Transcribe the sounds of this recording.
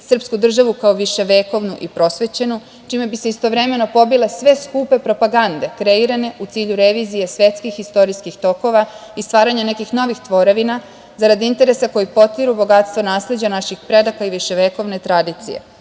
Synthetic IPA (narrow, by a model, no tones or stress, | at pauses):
sr̩pskud̪r̩ʒaʋukaoʋiʃe̞ʋeːko̞ʋnuʔipɾo̞sʋe̞t͡ɕe̞nu | t͡ʃiːme̞bise̞ist̪o̞ʋɾe̞me̞no̞po̞bile̞sʋe̞skupe̞pɾo̞paɡand̪e̞kɾe̞iɾane̞ʔut̪siːʎuɾe̞ʋizije̞sʋje̞t̪skixist̪o̞ɾiskixt̪o̞ko̞ʋaist̪ʋaːɾaɲane̞kixno̞ʋixt̪ʋo̞ɾeʋina | zaɾad̪iint̪e̞ɾe̞sako̞jipo̞t̪iɾubo̞ɡat̪st̪ʋo̞naːsle̞d͡ʑanaʃixpɾe̞d̪akaiʋiʃe̞ʋeko̞ʋne̞t̪ɾad̪iːt̪sḭje̞̰